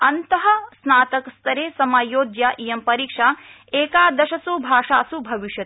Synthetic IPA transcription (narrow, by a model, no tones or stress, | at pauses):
ɐnt̪ɐɦɐsnaːt̪ɐkst̪ʰɐɾeːsɐmaːjoːd̪jaːʔijɐmpɐɾiːkʂaː | eːkaːd̪ɐʃɐsubʱaːʂaːsubʱɐʋiʃjɐt̪